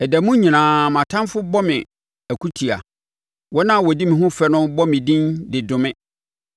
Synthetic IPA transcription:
ɛ˨dæ˨mũ˦ɲĩ˨nãː˨mã˨tʰã˦nfʊ˦bɔ˦mɪ̃˨ | æ˨kʰu˦tʰi˨a̰˨ | wɔ˦nã˦˨wɔ˨di˦mĩ˨ɦʊ̃˦fɛ˦nʊ̃˦bɔ˦mɪ̃˨dĩ˦ndɪ˨dʊ̃˨mɪ̃˦

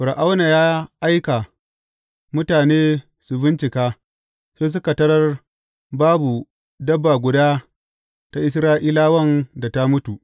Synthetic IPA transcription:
ɸʊ˨ɾʔa˦wna˨jaː˦ʔa˦jka˨ | mʊ˦taː˨neː˦ | su˨bɪ˦nt͡ʃɪ˨kaː˦ | seː˦s̬ʊ˦ka˨tɐ˦ɽɐ˦r | baː˦bu˨ | dɐ˦bːa˨ɡʷʊ˨daː˦ | ta˦ʔɪ˦s̬ɾaː˦ʔiː˦laː˦wɐ˦nda˨ta˦mʊ˦tu˨ʔ

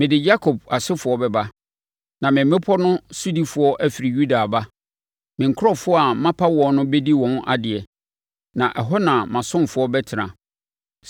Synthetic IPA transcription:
mɪ̃˨dɪ˨d͡ʑa˦kʰɔ˨b̚a˨sɪ˦fʊ˨˦ɔ˦bɛ˨ba˦ | nã˨mɪ̃˨m˦mɪ̃˦pʰɔ˦nʊ̃˦su˦di˦fʊ˨˦ɔ˦ʔæ˦fi˨ɾi˨ju˦da˨a˨ba˦ | mɪ̃˨ŋ̩˨kʰʊ˦ɾɔ˦fʊ˦ɔ˦a˨mã˦pʰa˦wɔ̃˨n˦nʊ̃˦bɛ˦di˦wɔ̃˨na̰˨dɪ˨ɛ˨ | nã˨ʔɛ˨ɦɔ˦nã˨mã˨sʊ̃˦mfʊ˨˦ɔ˦bɛ˦tʰɪ˨nã̰˨

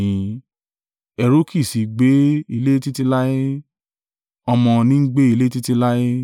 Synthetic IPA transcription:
ĩ˨˦ | ɛ˧ɾo˦kʰi˦˨si˨ɡ͡be˨˦i˧le˦ti˦ti˧la˦je˦ | ɔ˧mɔ̃˧nĩ˦ɡ͡be˦i˧le˦ti˦ti˧la˦je˦

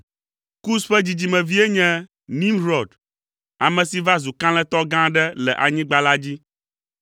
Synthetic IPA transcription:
ku˦sɸɛ˦d͡ʑi˨d͡ʑi˨mɛ̃˨vi˦e˦ɲɛ̃˦ | nĩ˦mɾɔ˨ɖ | a˨mɛ̃˨si˨va˦zu˨kã˦l̃ɛ̃˦t̪ɔ˦ɡã˦ɖɛ˦lɛ˨ʔa˨ɲĩ˦ɡ͡ba˦la˦d͡ʑi˦

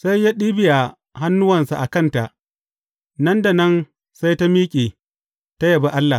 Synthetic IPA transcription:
sa˦jːaː˦ɗiː˦bɪ˨ja˨ | ha˦nːʊ˦wɐ˨nsa˨ʔa˨kɐ˦˨nta˨ʔ | nɐ˦nda˨nɐ˦n | sa˦jta˦miː˦kʲʼiː˨ | ta˦jɐ˨ba˦ʔa˦lːa˨

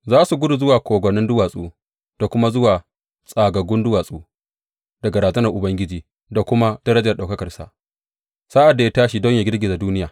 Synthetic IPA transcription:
zaː˦su˨ɡʷʊ˦du˨zʊ˦waː˨kʷoː˨ɡʷɔ˨nɪ˦ndʊ˦waː˨sʼuː˦ | d̥a˨kʷʊ˦ma˦zʊ˦waː˨ | sʼaː˨ɡɐ˨ɡʷʊ˦ndʊ˦waː˨sʼuː˦ | d̥ɐ˨ɡa˨ɾaː˨zɐ˦nɐ˨rʔʊ˨bɐ˦ŋɡʲɪ˦d͡ʒiː˦ | da˨kʷʊ˦ma˦d̥ɐ˦ɾɐ˦d͡ʒɐ˨rɗa˨wkɐ˦kɐ˨rsa̰˨ʔ | saː˦ʔa˨dːa˨ja˦taː˦ʃi˨dɔ˦ɲjaː˨ɡʲɪ˦rɡʲɪ˨za˨duː˦nɪ˦jaː˨

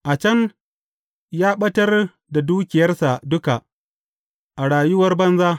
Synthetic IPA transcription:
ʔa˨t͡ʃɐ˦n | jaː˦ɓɐ˦tɐ˦r | da˨duː˦kʲɪ˨jɐ˦rsa˨dʊ˦ka˨ʔ | ʔa˨ɽaː˨jʊ˦wɐ˦rbɐ˦nzaː˦

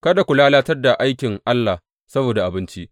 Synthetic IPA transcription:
kɐ˦da˨kʷʊ˨laː˦laː˦tɐ˦rda˨ʔa˦jkʲɪ˨ŋʔa˦lːa˨h | sɐ˦boː˨da˨ʔa˨bɪ˦nt͡ʃi˦ʔ

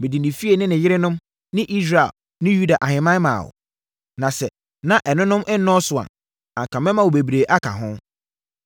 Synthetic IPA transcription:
mɪ̃˨di˨nɪ̃˨fi˦e˨nɪ̃˦nɪ̃˨jɪ˦ɾɪ˦nʊ̃˦m | nɪ̃˦ʔi˦sɾa˨ḛ˨l | nɪ̃˦ju˦da˨ʔa˨hɪ̃˨mã˦mã̰ː˨wʊ̰˨ | nã˨sɛ˨ | nã˨ʔɛ˨nʊ̃˦nʊ̃˦mɛ˦nɔ̃˦sʊ˨a̰˨ | ã̰˨ŋ˨kʰã˨mɛ̃˦mã˨wo˨be˨bi˨ɾe˨ʔa˦kʰa̰˨ɦʊ̃˦

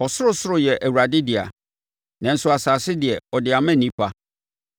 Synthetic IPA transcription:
ɔ˨sʊ˦ɾʊ˦sʊ˦ɾʊ˨jɛ˨ʔæ˨wu˨ɾa˨dɪ˦dɪ˨a̰˨ | nɛ̃˨n̩˦sʊ˦a˨saː˨sɪ˦dɪ˨ɛ˨ɔ˨dɪ˨a˨mɛ̃˦˨nĩ˦pʰa˦

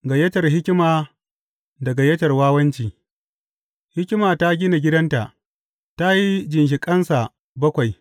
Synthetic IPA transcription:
ɡa˨jɐ˦tɐ˨rɦɪ˦kʲɪ˦maː˨ | dɐ˨ɡa˨jɐ˦tɐ˨rwaː˦wɐ˦nt͡ʃiː˨ | hɪ˦kʲɪ˦maː˨ta˦ɡʲɪ˦na˨ɡʲɪ˦dɐ˦nta˨ʔ | ta˦ji˦d͡ʒɪ˨nʃ̬ɪ˨kʼɐ˦nsa˨ | bɐ˦kʷa˨j

